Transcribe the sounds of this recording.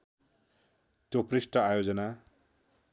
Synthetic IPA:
t̪joprisʈʌajod͡zʌna

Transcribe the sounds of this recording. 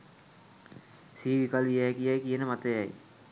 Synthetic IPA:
siːʋikalʋijakijajkijənəmat̪əjaj

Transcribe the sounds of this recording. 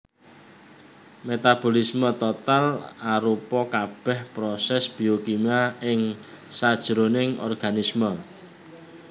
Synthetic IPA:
met̪ab̥o̤lismət̪ɔt̪alaɾupɔkab̥ɛhpɾɔsɛsb̥iokimaɪŋsad̥ʒ̥ɾonɪŋɔ̰rɡ̥anismə

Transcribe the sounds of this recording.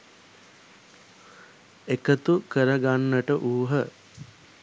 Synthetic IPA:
ekət̪ukəɾəɡanːəʈəʔuːɦə

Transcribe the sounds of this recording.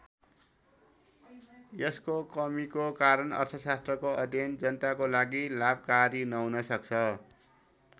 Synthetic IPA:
jeskokʌmikokaɾʌnʌ̰rt̪ʰʌsast̪rʌkoʌd̪ʱjʌnd͡zʌnʌt̪akolaɡilab̚ʱkaɾinʌɦunʌsʌk̚t͡sʰʌ

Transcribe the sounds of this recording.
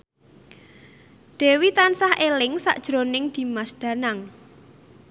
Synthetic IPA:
ɖ̪̥ɛ̤wit̪ansahʔelɪŋsa̰ʔd̥ʒ̥ɾonɪŋd̪̥i̤masd̪̥ä̤naŋ

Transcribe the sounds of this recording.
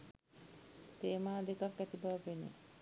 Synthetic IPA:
t̪eːmaːd̪ekakːæt̪ibaʋɐpenḛ

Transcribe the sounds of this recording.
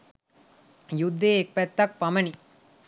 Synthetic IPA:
jud̪ːeːek̚pæt̪ːɐk̚pɐmɐni

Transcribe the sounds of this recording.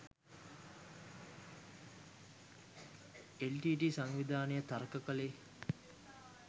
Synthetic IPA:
elʈiːʈisaŋʋid̪ʱaːnejət̪aɾkəkəleː

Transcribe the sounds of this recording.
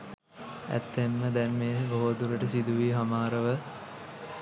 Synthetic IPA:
æ̰t̪ːemːəd̪ɛnmeːɦɡoɦoːd̪uɾəʈəsid̪uʋiːɦamaːɾəʋə

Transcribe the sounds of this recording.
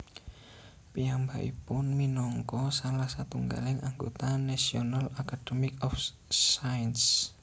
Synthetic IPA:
pijamba̰ʔḭpʊnminɔŋkɔsalahsat̪uŋɡa̰lɪŋaŋɡot̪anasiɔnalakad̥əmikɔf | saəns

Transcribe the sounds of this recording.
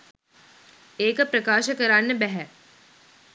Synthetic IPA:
eːkəpɾəkaːʃəkəɾanːəbɛɦɛ

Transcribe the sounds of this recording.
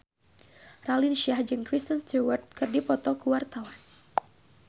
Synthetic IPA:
ralinʃiahd͡ʒɨŋkɾist̪ənst̪uwərt̪̚kɨrdipɔt̪ɔkuwart̪awan

